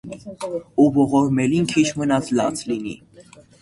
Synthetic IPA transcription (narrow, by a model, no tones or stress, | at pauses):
uvɔʁɔɾmɛlinkʰit͡ʃʰmənɑt͡sʰlɑ̰t͡sʰlinḭ